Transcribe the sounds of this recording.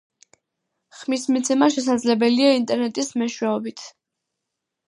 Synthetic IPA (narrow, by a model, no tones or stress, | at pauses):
χmismit̪sʰɛmaʃɛs̬ad̪zlɛbɛliaint̪ʼɛɾnɛt̪ʼismɛʃwɛɔbit̪ʰ